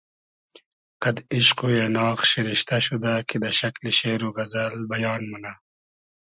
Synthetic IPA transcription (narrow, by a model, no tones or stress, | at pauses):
qɐd̪iʃqujenɑːɣʃiɾiʃt̪aɕud̪akid̪ɐʃɐkliʃeːɾuɣɐzɐlbɐjɑːnmuna